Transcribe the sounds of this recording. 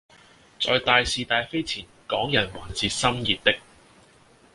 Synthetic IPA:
t͡sɔː˨˧jt̪aː˨˧jsiː˨˧t̪aː˨˧jfe˥jt͡sʰiː˨˩nkɔː˨˥ŋjɐ˨˩nwaː˨˩nt͡siː˧t̚sɐ˥mjiː˨t̪̚t̪ɪ˥k̚

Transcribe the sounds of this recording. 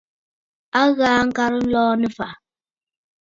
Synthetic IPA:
a˦ɣaː˨˦ŋ̩˦ka˦ɾə˦lɔː˦nɛ˨fa˨

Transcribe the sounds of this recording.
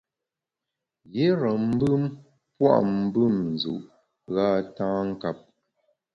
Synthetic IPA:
je˦ɾə˨m̩˦bɨ˦m | pwa̰˦ʔm̩˦bɨ˦˨mn˨zṵ˨ʔ | ɣa˦tãː˦ŋ̩˦ka˦p̚

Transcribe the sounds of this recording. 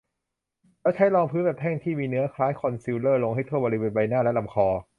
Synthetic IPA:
lɛ˦˥˩wt͡ɕʰa˦˥jlɔː˧ŋpʰɯː˦˥nbɛː˨˩phɛː˥˩ŋt̪ʰiː˥˩miː˧nɯ˦˥ɐkʰlaː˦˥jkʰɔ˧nsiː˧˥wlɤː˥˩lo˧ŋɦa˥˩t̪ʰoː˥˩bɔː˧li˦˧weː˧˩nba˧jnaː˥˩lɛ˦˥la˧˩mkʰɔː˧

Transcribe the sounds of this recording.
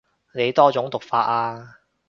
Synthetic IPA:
ne˨˧jt̪ɔː˥t͡sʊ˨˥ŋt̪ʊ˨k̚faː˧t̚aː˧

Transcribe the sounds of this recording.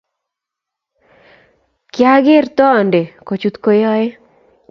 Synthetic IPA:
kja˦ɡɪ˦rt̪ɔː˦˨nde˨ko˨t͡ʃu˦t̪ko˨jɔ˦e˦

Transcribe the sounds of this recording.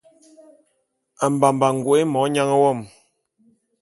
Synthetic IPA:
a˨m̩˨ba˨m˨ba˨ŋ˨ɡwe˨˦e˦mɔ˨˦ɲa˦ŋə˦wɔ˦˨m

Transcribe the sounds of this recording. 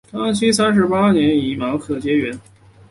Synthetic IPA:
kɑ˥ŋt͡ɕʰi˥s̬a˥nʂ̬ɻ̩˧˥pa˥njɛ˧˥ni˧˩mɑ˧˥ʊkʰɤ˨˥˩t͡ɕjɛ˥ɥɛ˧˥n

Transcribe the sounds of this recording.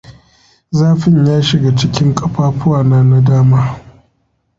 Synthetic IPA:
zaː˦ɸɪ˦ɲjaː˦ʃɪ˨ɡa˨t͡ʃɪ˦kʲɪ˦ŋkʼɐ˦ɸaː˦ɸʊ˦waː˨naː˦na˦daː˦maː˦

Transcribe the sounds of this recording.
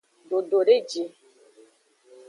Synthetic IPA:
do˨do˨ɾe˦d͡ʒi˨

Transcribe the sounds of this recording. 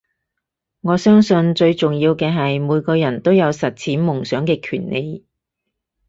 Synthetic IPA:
ŋɔː˨˧sœː˥ŋsɵ˧nt͡ʃɵ˧ɥt͡sʊ˨ŋjiː˧wkɛː˧ɦɐ˨jmuː˨˧jkɔː˧jɐ˨˩nt̪o˥wjɐ˨˧wsɐ˨t̚t͡sʰiː˨˥nmʊ˨˩ŋsœː˨˥ŋkɛː˧kʰyː˨˩nːḛ˨˧j

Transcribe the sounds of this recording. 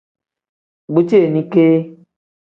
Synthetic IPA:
ɡ͡bu˦t͡ʃe˦e˨nĩ˧ke˦

